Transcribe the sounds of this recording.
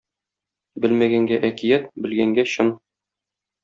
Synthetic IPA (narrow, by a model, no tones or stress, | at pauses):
bɘlmæɡæŋɡæʔækijæt̪bɘ̆lɡæŋɡæɕɤn